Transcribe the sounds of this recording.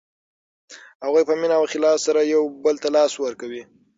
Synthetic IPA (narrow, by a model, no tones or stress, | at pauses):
haɣujpəminawxɪlɑfsaɾajawbəlt̪alɑswəɾkawi